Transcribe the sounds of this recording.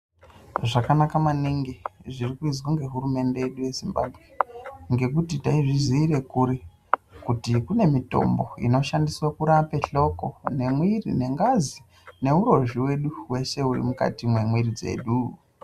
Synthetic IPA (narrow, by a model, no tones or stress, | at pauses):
ʐakanakamaniŋɡiʐirikuid͡zwaŋɡe̞ɦurume̞nde̞je̞ɗuje̞zimba̰bʱɣe̞ŋɡe̞kutitaiʐiziːre̞kuɾi | kutikune̞mito̞̰mbo̞̰ḭno̞ʃandiswakuɾape̞ɬo̞ko̞ne̞mwirḭne̞ŋɡazi | ne̞uɾo̞ʒiwe̞ɗuwe̞ʃe̞urḭmuka̰timwe̞mwirid͡ze̞̰ːɗu